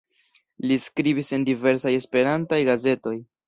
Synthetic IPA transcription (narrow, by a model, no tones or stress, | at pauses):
liskɾibise̞ndive̞ɾsaje̞spe̞ɾantajɡaze̞to̞j